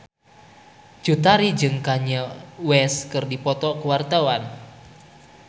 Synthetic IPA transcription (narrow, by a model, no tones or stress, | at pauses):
d͡ʒ̥ut̪aɾid͡ʒɨŋkaɲawɛskɨrdipɔt̪ɔkuwart̪awan